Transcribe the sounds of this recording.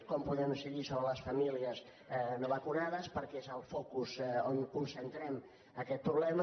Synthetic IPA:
kɔmpuðɛmsiɣisoβɾələsfəmiliəz | noβəkunaðəspəɾkɛezəlˠfokuzoŋkunsənt̪ɾɛm | əkɛt̪̚pɾuβlɛmə

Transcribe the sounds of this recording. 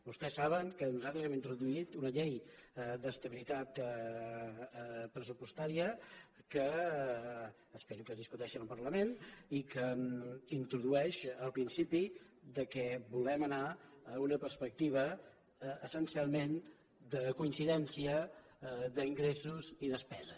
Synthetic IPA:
bust̪ɛsːaβəŋkənuzalˠt̪ɾəzɛmint̪ɾuðuit̪unəʎejd̪əst̪əβilit̪at̪ | pɾəs̬upust̪aɾiəkə | speɾukəzðiskut̪ɛʃinəlˠpərləmenikəint̪ɾuðuɛʃəlˠpɾinsipid̪əkɛbulɛmənaːunəpəɾspək̚t̪iβ̞ə | əsənsialˠmen | d̪əkuinsiðɛnsiə | d̪əiŋɡɾesuziðəspɛzə

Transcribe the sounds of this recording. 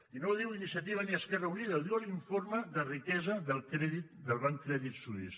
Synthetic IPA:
inoðiwinisiət̪iβ̞əniəskɛrəuniðəlˠd̪iwəliɱforməðərikɛzəðəlˠkɾɛðit̪̚d̪əlˠβaŋkːɾɛðit̪suðḭs

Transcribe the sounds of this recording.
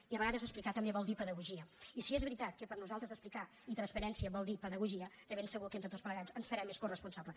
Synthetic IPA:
iəβəɣaðəzəsplikat̪əmbeβɔlˠd̪ipəðəɣuʒiəisiezβɾit̪at̪kəpəɾnuzalˠt̪ɾəzəsplika | it̪ɾənspəɾɛnsiəβɔlˠd̪ipəðəɣuʒiəd̪əβensəɣukent̪ɾət̪ot͡sspləɣazənsfəɾɛmːeskurəspunsaβlə

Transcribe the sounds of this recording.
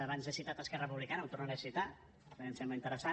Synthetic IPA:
əβanzðəsit̪at̪əskɛrəəpuβlikanəmt̪urnaɾesit̪a | ɛəmsɛmbləint̪əɾəsa

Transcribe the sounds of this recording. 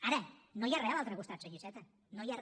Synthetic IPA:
aɾənojarealalˠt̪ɾeɣust̪at̪seʝisɛt̪ə | nojar

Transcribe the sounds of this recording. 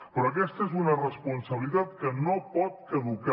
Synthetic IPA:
pɾɔək̬ɛst̪əezunərəspunsəβlit̪at̪kənopɔt̪̚əðuka

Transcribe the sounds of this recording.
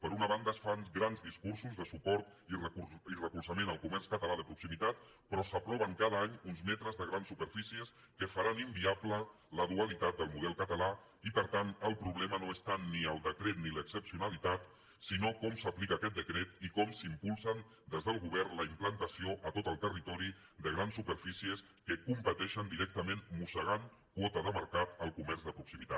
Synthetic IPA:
pəɾunəβand̪əːsfaŋɡɾanzðiskuɾsuzðəsupɔɾt̪ | irəkuirəkulˠsəmenəlˠkumɛrskət̪əlaðəpɾuksimit̪at̪ | pɾɔsəpɾɔβəŋkað̞əaɲunzmɛt̪ɾəzðəɣɾansupəɾfisiəs | kəfaɾanimbiaplə | ləðuəlit̪at̪̚d̪əlˠmuðɛlˠkət̪əla | ipəɾt̪anəlˠpɾuβlɛmənoest̪anniəlˠd̪əkɾet̪niləksəpsiunalit̪at̪ | sinokɔmsəplikəːkɛt̪̚d̪əkɾɛt̪ikɔmsimpulˠsən | d̪ezðəlˠɣuβɛɾnləimplənt̪əsioʔət̪ot̪əlˠt̪ərit̪ɔɾid̪əɣɾansːupəɾfisiəs | kəkumpət̪ɛʃənd̪iɾɛk̚t̪əmẽnmusəɣ̞ankwɔt̪əðəməɾkat̪əlˠkumɛɾzðəpɾuksimit̪a̰t̪

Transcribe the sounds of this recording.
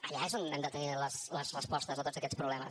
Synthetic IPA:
əʎaezonɛmd̪ət̪əniləsləzrəspɔst̪əzət̪otzəkɛt͡sspɾuβlɛməs

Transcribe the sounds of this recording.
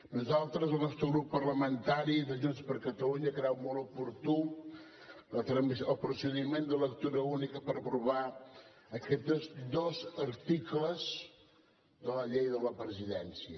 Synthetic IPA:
nuzalˠt̪ɾəzəlˠnɔst̪ɾəɣɾupːərləmənt̪aɾiðəʒunspəɾkət̪əluɲəkəɾawmɔlupuɾt̪u | ət̪ɾəmisəlˠpɾusəðimend̪ələkt̪uɾəunikəpəɾəpɾuβa | əkɛt̪əzd̪ɔzəɾt̪ikləz | d̪ələʎejðələpɾəziðɛnsiə

